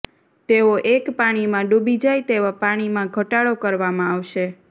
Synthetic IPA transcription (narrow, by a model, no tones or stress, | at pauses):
t̪eoʔekpaɽ̃imãɖubid͡ʒajt̪eʋapaɽ̃imãɡʱəʈaɭokəɾʋamãaʋʃe